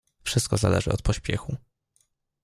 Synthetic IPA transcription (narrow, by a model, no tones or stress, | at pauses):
fʂɘst̪kɔzalɛʐɘ̰ʔɔt̪pɔɕpʲjɛxu